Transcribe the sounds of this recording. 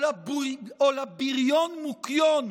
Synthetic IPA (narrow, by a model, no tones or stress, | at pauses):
abuolabiʁjɔnmukjɔn